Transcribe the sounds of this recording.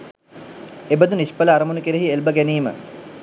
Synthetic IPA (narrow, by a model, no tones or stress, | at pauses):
ebəd̪unispələaɾəmunukeɾeɦielbəɡæniːmə̰